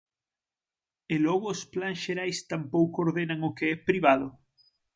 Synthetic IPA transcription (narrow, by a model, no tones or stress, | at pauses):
elɔɣʊːsplaŋsʃeɾajst̪ampowkooɾðenaŋʊkeɛpɾiβaðʊ